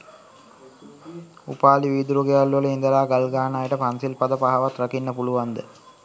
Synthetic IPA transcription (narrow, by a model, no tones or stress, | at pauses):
ṵpaːliʋiːd̪uɾoɡejalːuʋələind̪əlaːɡalɡaːnaːjəʈəpansilpɐd̪əpaɦaʋat̪rakinːəpuluʋand̪ə̰